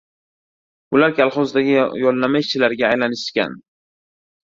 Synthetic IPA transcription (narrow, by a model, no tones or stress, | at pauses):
ʊlaɾkʲʰalˠχɒzd̪aɡʲɪjɒlːamaɪʃt͡ʃʰɪlaɾɡʲaːjlanɪʃʃkʲa̰n